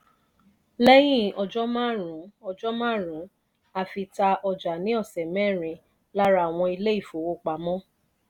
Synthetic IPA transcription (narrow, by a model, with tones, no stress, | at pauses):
lɛ˦j̃ĩ˦˨ɔ˨˧d͡ʒɔ˦mãː˦ɾũ˨˦ɔ˧˨d͡ʒɔ˦mãː˦˨ɾũ˨˦ | a˧˨fi˧ta˧ʔɔ˧d͡ʒa˨nĩ˨˦ɔ˦˨sɛ˨mɛ̃˦˨ɾ̃ĩ˨˦ | la˦ɾa˦˨w̃ɔ̃˧i˧le˦i˦˨fo˨˦o˧˦k͡pa˨mɔ̃˦